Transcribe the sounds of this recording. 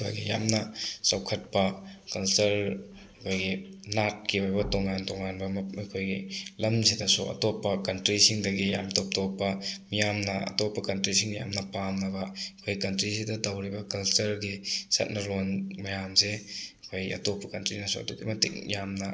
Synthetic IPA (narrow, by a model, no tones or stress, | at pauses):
kʰo̰jɡḭja̰mnɐsɐwkʰɐt̚pɐkɐlsɐɾ | ɐkʰojɡinat̚kiwajbɐtoŋantoŋanbɐmɐkʰojɡilɐmsidɐsṵʔɐ̰topːɐkɐntɾisiŋdɐɡija̰mtop̚topːɐmijamnɐɐ̰topːɐkɐntɾisiŋnija̰mnɐpamnɐbɐkʰojikɐntɾisidɐdɐwɾibɐkɐlsɐɾɡisɐ̰t̚nɐɾonmɐjamsekʰojɐ̰topːɐkɐntɾinɐsoɐ̰totḭmɐtḭk̚jamnɐ